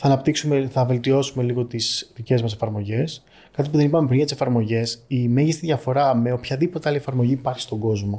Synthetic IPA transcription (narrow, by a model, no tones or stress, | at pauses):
θɐːnɐpt̪iksumeθɐve̞lt̪io̞sume̞liɣo̞t̪isðice̞zmɐse̞fɐɾmo̞ʝe̞s | kɐt̪ip̬uðe̞nipɐmepɾinʝɐt̪ise̞fɐɾmo̞ʝe̞simeʝist̪iðʝɐfo̞ɾɐme̞opçɐðipot̪eɐliefɐɾmo̞ʝiːpɐɾçist̪o̞ɡo̞zmo̞